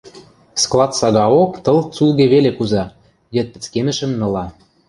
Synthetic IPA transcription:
sklˠɑt̪sɑɣɑokt̪ɤ̆lt͡sulɣeβelekuzɑ | jə̆t̪̚pə̆t͡skenə̆ʃə̆mnɤ̆lɑ

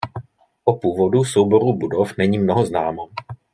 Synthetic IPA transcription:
ʔopuːvo̞dusowbo̞ɾubudofnɛɲiːmnoɦoznaːmo

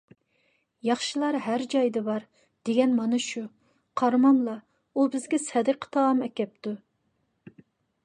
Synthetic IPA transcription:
jɑχʃilˠɑɾɦæɾd͡ʒɑjd̪ɨbɑɾ | d̪̥eɡʲɛnmɑnɨʃu | qʰɑɾmɑnlˠɑ | ubɪzɡʲɛsʰɛd̪ɨqʰə̥t̪ʰɑːmɛkʲɛp̚t̪u

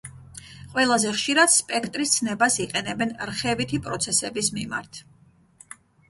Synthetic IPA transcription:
qʼwɛlˠazɛχʃiɾad̪̥spʼɛkʰt̪ʼɾist̪sʰnɛbasiqʼɛnɛbɛnɾχɛvit̪ʰipʼɾɔt̪sʰɛsɛbismima̰ɾt̪ʰ

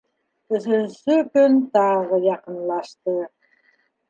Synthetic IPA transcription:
t̪ɵ̆zɵzɵkɵnt̪ɑʁə̆jɑqə̆nlˠɑʃt̪ɤ

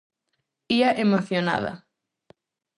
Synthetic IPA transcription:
iɐʔemoθjona̰ðɐ̰

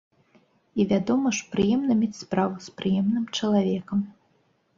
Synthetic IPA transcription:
ivʲad̪ɔmɐʂpɾɨjɛmnɐmʲɛt͡sʲspɾavuspɾɨjɛmnɨmt͡ʂɐlˠavʲɛkɐm

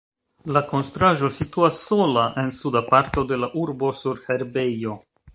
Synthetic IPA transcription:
lako̞nstɾaʒo̞situasːo̞laʔe̞nsudapaɾt̪o̞de̞laʔuɾbo̞suɾheɾbe̞jo̞

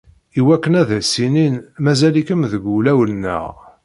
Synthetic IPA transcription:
iwækːənæðæsininmæzælikəmðəɡulæwəlnːə̰ʁ

